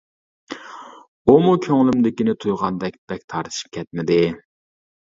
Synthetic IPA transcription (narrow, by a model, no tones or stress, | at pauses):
umukʲʰøŋlˠymd̪ɪkʲinɪt̪ʰujʁɑnd̪ɛk̚ʲb̥ɛk̚ʲt̪ʰɑɾt̪ʰɨ̥ʃi̥p̚kʲʰɛt̪̚mɪd̪ɪ